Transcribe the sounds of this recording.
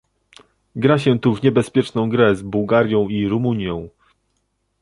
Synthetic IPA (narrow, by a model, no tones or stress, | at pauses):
ɡɾaɕɛt̪uvɲɛbɛspʲjɛt͡ʂnɔ̃w̃ɡɾɛzbuwɡaɾʲjɔ̃w̃iɾumuɲjɔ̃w̃